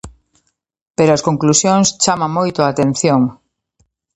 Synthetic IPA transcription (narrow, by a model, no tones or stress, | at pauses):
peɾoɐskoŋklusjoŋst͡ʃamãmojt̪ʊaːt̪en̟θjoŋ